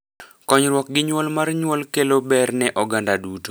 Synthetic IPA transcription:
kɔɲɾwɔk̚ɡɪɲwɔlmarɲwɔlkelobɛrnɛʔɔɡandaduto̥

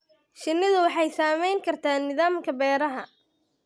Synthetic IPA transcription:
ʃɪnːɪðʊwɑħɑjsaːmɛjŋkʰɐrt̪ʰaːnːɪðaːmkʰɐbɛːɾɐɦɐ̰

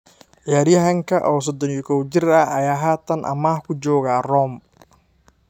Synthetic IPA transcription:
ʔjaːɾjɐɦɐŋkʰɐʔɔːs̬ɔd̪ɔnjɪkʰɔwd͡ʒɪrɐɦɐjaːɦaːt̪ʰɐnʔɐ̰mahkʰʊd͡ʒɔːɣaːrɔːm

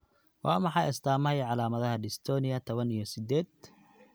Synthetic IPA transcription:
wɑːmɑħɑjɛst̪ʰaːmɐɛjʕɑlaːmɐðɐɦɐɖɪst̪ʰɔːnɪɐt̪ʰɔβɐnijɞsɪd̪ɛːd̪̚

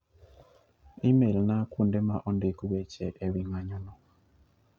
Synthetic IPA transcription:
imelnakundemaʔɔndekuwɛt͡ʃɛʔɛwiŋaɲɔnɔ

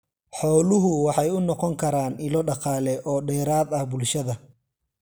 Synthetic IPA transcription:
ħɔːlʊɦʊwɑħɑjʊnɔqɔŋkʰɐɾaːnɪlɔɖɑqɑːlɛʔɔːɖɛːɾaːðɐhbʊlʃɐðɐ

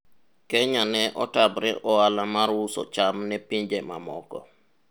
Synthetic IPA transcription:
kɛɲanɛʔɔtabɾɛʔɔwalamaɾwusɔ̰t͡ʃamnɛpiɲd͡ʒɛma̰mɔkɔ

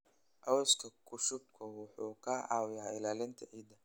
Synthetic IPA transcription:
ʔɐwɔskʰɐkʰʊʃʊb̚kʰʊwʊħuːkʰaːʕɑːwjaːɪlaːlɪnt̪ʰɐʔiːd̪ɐ

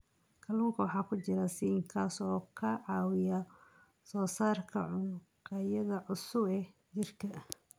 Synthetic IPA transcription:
kʰɐluːŋkʰɐwɑħɑːkʰʊt͡ʃɪɾɐsiŋkʰaːsɔːkʰɐʕɑːwɪjɐ | sɔːsaːrkʰɐ̰ʕʊ | qɑjɐðɐʕʊsʊbɛ | t͡ʃɪrkʰɐ

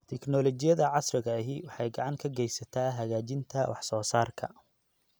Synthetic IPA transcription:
t̪ʰɛknɔlɔt͡ʃɪjɐðɐʕɑsrɪɣɐɦɪwɑħɑjɡɑʕɑŋkʰɐɡɛjsɐt̪ʰaːɦɐɣaːt͡ʃɪnt̪ʰɐwʔɑħsɔːsaːrkʰɐ̰

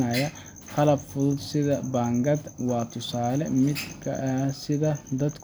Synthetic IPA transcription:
aːjɐ | kɐlɐbfʊlsɪd̪ɐbaːŋɡɐd̪waːt̪ːʊsaːlɛmɪd̪kɐ̰sɪd̪ɐd̪ɐd̪k

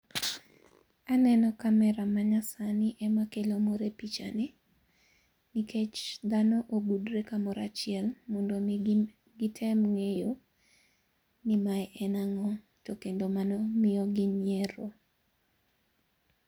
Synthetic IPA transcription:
anɛnɔkamɛɾamaɲasanɪʔɛmakelomoɾepit͡ʃa̰ni | nikʰet͡ʃd̪anɔʔobudɾekamɔɾat͡ʃɪɛlmɔndo | ɡɪtʰɛmŋejo | nɪmaɛʔɛnaŋɔ | tokendomanɔmɪjɔɡɪɲjeɾo

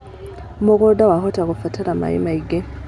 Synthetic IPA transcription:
muɡodawaxotakufataɾama̰jḭmaiɡe

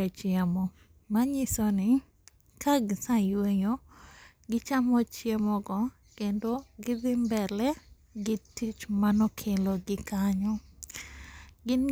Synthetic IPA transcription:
et͡ʃjamɔ | maɲɪsɔnɪ | kaɡsajweɲo | ɡɪt͡ʃamɔt͡ʃjemɔɡɔ | kendoɡɪðɪmbɛlɛ | ɡɪtit͡ʃmanɔkʰeloɡɪkaɲɔ | ɡɪn

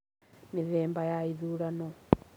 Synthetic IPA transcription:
miðɛːmbajaiðuɾanɔ

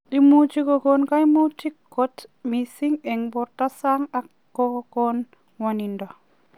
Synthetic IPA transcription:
dimutikoɡonkajmutikːotmisiŋeŋboɾtasaŋakːoɡoɡon | wanindo

